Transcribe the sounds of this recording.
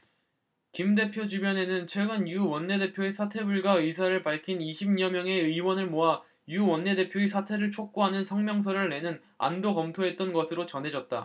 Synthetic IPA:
kimde̞pʰjod͡ʑubjʌne̞nɯnt͡ɕʰwe̞ɡɯnjuwʌnːe̞de̞pʰjoesʰatʰe̞buɭɡwaɯjsʰaɾɯɭpaɭkʰiniɕʰimɲʌmjʌŋe̞ɯiwʌnɯɭmoɦa | juwʌnːe̞de̞pʰjoisʰatʰe̞ɾɯɭt͡ɕʰok̚k͈oɦanɯnsʰaŋmjʌŋs̬ʰʌɾɯɭːe̞nɯn | a̰ndoɡʌmtʰoɦe̞t̚t͈ʌnɡʌsʰɯɾot͡ɕʌnɦe̞d͡ʑʌt̚t͈a̰

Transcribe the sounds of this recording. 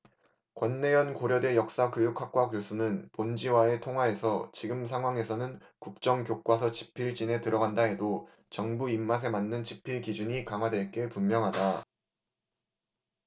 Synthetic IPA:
kwanːe̞jʌnkoɾjʌdwe̞jʌk̚s͈akjujuk̚ʰak̚k͈wakjosʰunɯnpond͡ʑiwae̞tʰoŋwae̞sʰʌt͡ɕiɡɯmsʰaŋɦwaŋe̞sʰʌnɯn | kuk̚t͡ɕ͈ʌŋkjok̚k͈wasʰʌt͡ɕi̥pʰiɭt͡ɕine̞tɯɾʌɡandae̞do | t͡ɕʌŋbuimːas̬ʰe̞manːɯnt͡ɕipʰiɭkid͡ʑuɲikaŋɦwadwe̞ɭk͈e̞pumːjʌŋɦada

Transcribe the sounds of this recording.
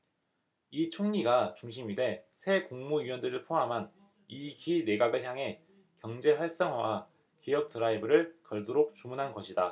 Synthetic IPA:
it͡ɕʰoŋɲiɡat͡ɕuŋɕ̬ʰimide̞sʰe̞koŋmuiwʌndɯɾɯɭpʰoɦamɦan | ikine̞ɡaɡɯɭçjaŋɦe̞ | kjʌŋd͡ʑe̞ɸwaɭs͈ʌŋwa | kejʌk̚t͈ʰɯɾaibɯɾɯɭkʌɭdoɾok̚t͡ɕumunɦanɡʌɕʰida

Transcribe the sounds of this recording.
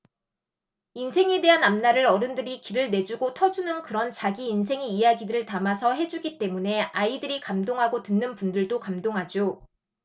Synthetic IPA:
insʰe̞ŋe̞de̞ɦanamnaɾɯɾʌɾɯndɯɾikiɾɯɭne̞d͡ʑuɡotʰʌd͡ʑunɯnkɯɾʌnt͡ɕaɡiːns̬ʰe̞ŋiːjaɡidɯɾɯɭtamasʰʌɦe̞d͡ʑuɡit͈e̞mune̞aidɯɾikamdoŋɦaɡotɯnːɯnpundɯɭdokamdoŋɦad͡ʑo

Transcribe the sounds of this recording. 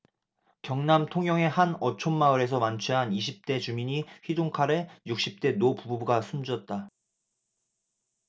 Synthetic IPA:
kjʌŋnamtʰoŋjʌŋe̞hanʌt͡ɕʰomːaɯɾe̞s̬ʰʌmant͡ɕʰeɦaniɕ̬ʰip̚t͈e̞t͡ɕumiɲiɸɥidoŋkʰaɾe̞juk̚ɕ͈ip̚t͈e̞nopububuɡasʰumd͡ʑʌt̚t͈a

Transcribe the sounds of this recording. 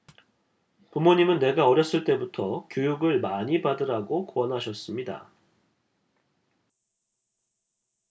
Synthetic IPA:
pumoɲimɯnːe̞ɡaʌɾjʌs͈ɯɭt͈e̞butʰʌkjojuɡɯɭmaɲibadɯɾaɡokowʌnɦaɕʰʌs͈ɯmɲida̰

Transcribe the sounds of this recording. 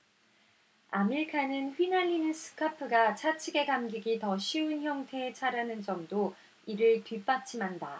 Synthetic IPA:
amiɭkʰanɯnɸwɥinaʎːinɯs͈ʰɯ̥kʰapʰɯɡat͡ɕʰat͡ɕʰiɡe̞ɡamɡiɡitʌɕʰiunçjʌŋtʰe̞ːt͡ɕʰaɾanɯnd͡ʑʌmdo | iɾɯɭtɥip͈at͡ɕʰimanda

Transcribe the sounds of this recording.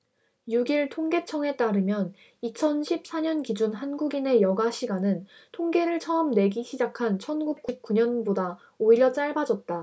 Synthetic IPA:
juɡiɭtʰoŋɡe̞t͡ɕʰʌŋe̞t͈aɾɯmjʌn | it͡ɕʰʌnɕʰip̚s͈aɲʌnkid͡ʑunɦanɡuɡine̞jʌɡaɕʰiɡanɯntʰoŋɡe̞ɾɯɭt͡ɕʰʌmne̞ɡiɕʰid͡ʑakʰant͡ɕʰʌnɡup̚k͈up̚k͈uɲʌnboda | oiɾjʌt͡ɕ͈aɭbad͡ʑʌt̚t͈a

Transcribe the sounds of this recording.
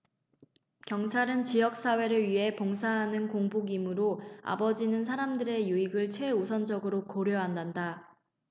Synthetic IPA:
kjʌŋt͡ɕʰaɾɯnt͡ɕijʌk̚s͈awe̞ɾɯɭɥiɦe̞poŋsʰaɦanɯnkoŋboɡimɯɾoa̰bʌd͡ʑinɯns̬ʰaɾamdɯɾe̞juiɡɯɭt͡ɕʰwe̞usʰʌnd͡ʑʌɡɯɾokoɾjʌɦandanda

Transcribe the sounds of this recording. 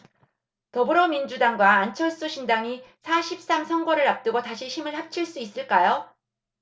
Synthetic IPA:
tʌbɯɾʌmind͡ʑudaŋɡwaːnt͡ɕʰʌɭs͈uɕʰindaŋisʰaɕʰip̚s͈amsʰʌŋɡwʌɾɯɾap̚t͈ɯɡotaɕʰiɕʰimɯɭhap̚t͡ɕʰiɭs͈uis͈ɯɭk͈ajo

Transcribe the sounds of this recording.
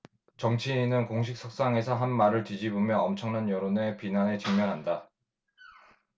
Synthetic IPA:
t͡ɕʌŋt͡ɕʰiːnɯnkoŋɕʰik̚s͈ʰʌk̚s͈aŋe̞sʰʌɦanmaɾɯɭtid͡ʑibomjʌʌmt͡ɕʰʌŋnanjʌɾone̞pinane̞t͡ɕɯŋmjʌnɦanda

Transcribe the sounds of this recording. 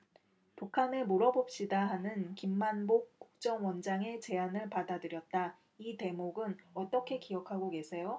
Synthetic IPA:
pukʰanemoɾʌbop̚ɕ͈idaɦanɯnkimːanbok̚k͈u̥k̚t͡ɕ͈ʌŋwʌnd͡ʑaŋe̞t͡ɕe̞anɯɭpadadɯɾjʌt̚t͈a | ite̞moɡɯnʌt͈ʌkʰe̞kijʌkʰaɡoke̞sʰe̞jo

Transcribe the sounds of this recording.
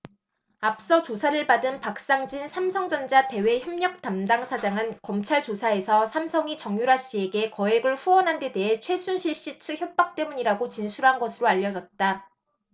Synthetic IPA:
ap̚s͈ʌt͡ɕosʰaɾɯɭpadɯnpak̚s͈aŋd͡ʑinsʰamsʰʌŋd͡ʑʌnd͡ʑate̞we̞çjʌmɲʌk̚t͈amdaŋsʰad͡ʑaŋɯnkʌmt͡ɕʰaɭt͡ɕosʰae̞sʰʌsʰamsʰʌŋit͡ɕʌŋjuɾaɕ͈ie̞ɡe̞kʌe̞ɡɯɭɸuwʌnɦande̞de̞ɦet͡ɕʰwe̞sʰunɕʰiɭɕ͈it͡ɕʰɯçjʌp̚p͈ak̚t͈e̞muɲiɾaɡot͡ɕinsʰuɾɦanɡʌsʰɯɾoaʎːʌd͡ʑʌt̚t͈a

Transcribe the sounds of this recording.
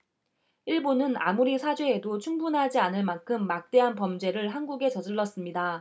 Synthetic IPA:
iɭbonɯna̰muɾisʰad͡ʑweːdot͡ɕʰuŋbunɦad͡ʑianɯɭmankʰɯmːak̚t͈e̞ɦanpʌmd͡ʑe̞ɾɯɭɦanɡuɡe̞t͡ɕʌd͡ʑɯɭːʌs͈ɯmɲida

